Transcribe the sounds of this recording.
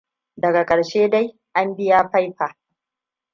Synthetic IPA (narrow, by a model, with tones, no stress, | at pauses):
dɐ˨ɡa˨kʼɐ˨ɽʃeː˦da˦j | ʔa˦mbɪ˦jaː˦ɸa˦jɸaː˨